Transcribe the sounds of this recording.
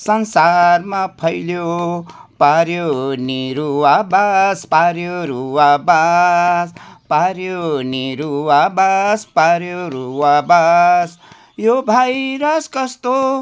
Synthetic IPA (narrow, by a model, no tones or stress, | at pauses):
sʌnsarmapʰʌjljo | paɾjoniɾuwabaspaɾjoɾuwabaspaɾjoniɾuwabaspaɾjoɾuwabas | jobʱajɾʌskʌst̪o